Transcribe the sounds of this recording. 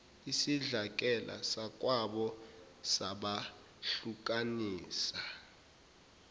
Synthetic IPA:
isiɮak̬ʼɛlʔa̰sak̬ʼwaɓɔ | saɓa | ɬuk̬ʼaniːsa

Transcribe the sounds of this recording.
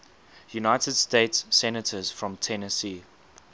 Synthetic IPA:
junaɪtəd̥steɪtsːɛnətʰəz̥fɹɔ̃mtʰɛnəsiː

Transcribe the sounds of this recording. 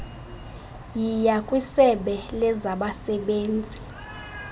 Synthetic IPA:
jijakʼwisɛɓɛlɛzaɓasɛɓeːnd͡zʱi

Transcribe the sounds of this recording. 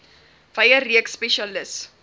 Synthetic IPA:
vɐjəriəkspɛʃɐləss

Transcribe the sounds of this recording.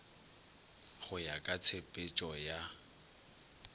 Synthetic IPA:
χʊjakʼat͡sʰepʼɪt͡ʃʼɔja

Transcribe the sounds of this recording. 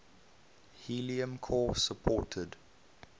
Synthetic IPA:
hiliə̃mkʰɔːsəpʰɔːˑtʰəd

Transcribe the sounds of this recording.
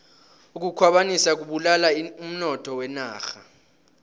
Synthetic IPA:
uk̬ukʰwaɓanisak̬uɓulalaum̩nɔtʰɔwɛnaːxa

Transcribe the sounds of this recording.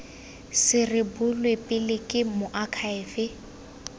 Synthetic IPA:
sɪrɪbʊlwepʼɪlɪkʼɪmʊʔakʰaɛːfɪ

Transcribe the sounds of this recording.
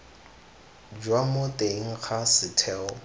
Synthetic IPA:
d͡ʒwamotʼeŋ̩k͡xʰasɪtʰɛːɔ

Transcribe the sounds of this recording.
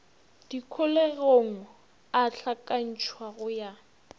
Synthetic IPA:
d̥ikʰʊlɛɣoŋ̩ | aɬʰakʼan̩t͡ʃʰwaɣʊja

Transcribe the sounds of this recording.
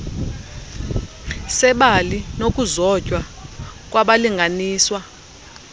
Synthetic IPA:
sɛɓalinok̬ʼuzɔcʼwak̬ʼwaɓaliŋɡʱaniːswa

